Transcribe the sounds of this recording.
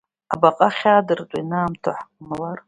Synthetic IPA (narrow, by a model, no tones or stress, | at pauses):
abaqʼaχʲaːdɨrtʼa̰inaːmtʰoħʼmalar